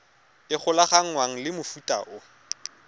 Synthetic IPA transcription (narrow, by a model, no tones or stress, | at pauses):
ɪk͡xʰʊlaχaŋ̩ŋwaŋ̩lɪmʊfutʼa̰ʔʊ